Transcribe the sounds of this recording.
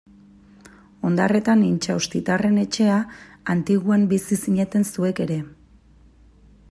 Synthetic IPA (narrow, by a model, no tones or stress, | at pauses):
o̞nd̪a̰re̞t̪anint͡ʃawst̪it̪are̞ne̞t͡ʃe̞a | ant̪iɣuambisisiɲet̪e̞nsue̞ke̞ɾe̞